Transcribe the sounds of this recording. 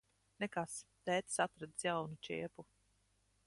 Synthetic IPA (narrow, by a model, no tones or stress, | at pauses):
nɛkast̪ɛːt̪sat̪ɾad̪sjawnut͡ʃiːɛpu